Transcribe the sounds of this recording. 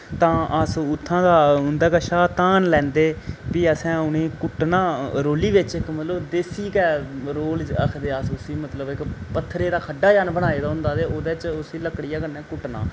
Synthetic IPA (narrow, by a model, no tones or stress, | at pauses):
t̪ãːʔəsʊt̪ʰːãːd̪aːʊnd̪aːkɛːʃaːt̪aːnlɛ̃ːnd̪eːpiːəsɛ̃ːʊneːkʊʈnaːɾoːliːʋɪt͡ʃɪkmət̪ləbd̪eːsiːkɛːɾoːləkʰd̪eːəsʊsiːmət̪ləbɪkpət̪ʰːɾeːd̪aːkʰəɖːaːd͡ʒaːnbəɽ̃aːeːd̪aːɦʊ̃nd̪aːd̪eːoːd̪eːt͡ʃʊsiːləkːɽɪjaːkənɛ̃ːkʊʈna̰ː